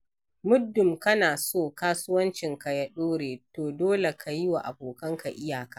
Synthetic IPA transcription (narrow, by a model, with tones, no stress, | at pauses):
mʊ˦dːʊ˨mkɐ˦naː˨soː˦˨kaː˦sʊ˦wɐ˦nt͡ʃɪ˨ŋka˨jɐ˦ɗoː˦ɽeː˨toː˨doː˦le˨kʰa˨ji˦wa˨ʔa̰˨boː˨kɐ˦ŋka˨ʔɪ˦jaː˨ka˦ʔ